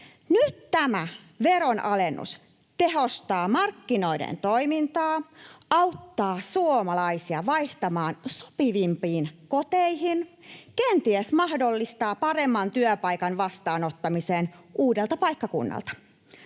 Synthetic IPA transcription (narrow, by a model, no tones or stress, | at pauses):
nyt̪t̪æmæ | ʋeɾonʔɑlenːṵs | t̪eɦo̞st̪ɑːmɑrkːino̞idḛnt̪oimint̪ɑːɑut̪ːɑːsuomɑlɑisiɑʋɑjht̪ɑmɑːnso̥piʋimpiːnkot̪eihin | kent̪iesmɑhdolːist̪ɑːpɑɾemːɑnt̪yøpɑikɑnʋɑst̪ɑːnot̪ːɑmiseːnʔuːdelt̪ɑpɑikːɑkṵnːɑ̰lt̪ɑ̥